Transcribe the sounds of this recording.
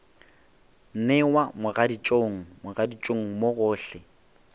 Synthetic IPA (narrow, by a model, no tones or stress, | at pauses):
n̩nɛwamʊɣadit͡ʃʼoŋ̩mʊɣadit͡ʃʼoŋ̩moɣʊːɬɛ